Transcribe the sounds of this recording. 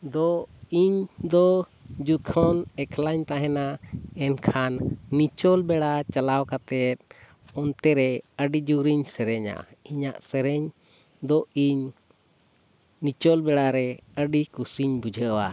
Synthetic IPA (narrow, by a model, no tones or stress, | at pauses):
d̪ɔiɲd̪ɔ | d͡ʒukʰɔnɛkʰlaɲt̪aɦɛnaɛnkʰanːit͡ʃɔlbɛɽat͡ʃalawkat̪ɛt̪̚ | ɔnt̪ɛɾɛəɖid͡ʒuɾiɲsɛɾɛɲa̰iɲaʔsɛɾɛɲ | d̪ɔʔiɲ | nit͡ʃɔlbɛɽaɾɛəɖikusiɲbud͡ʒʱəəwa